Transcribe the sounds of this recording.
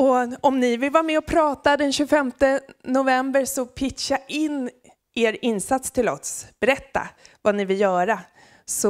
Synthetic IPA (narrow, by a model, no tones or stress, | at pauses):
ɔɔmnɪvɪlvɑːɾmɛɔpʰɾɑːt̪ad̪ɛnɕʉfɛmt̪ənʊvɛmbəɾʂɔpʰɪtʂaʔɪnː | ʔeːɾɪnːsat̪st̪ʰɪlɔ̰sb̥ɛɾɛt̪ːa̰vanɪvɪljœːɾa | sɔ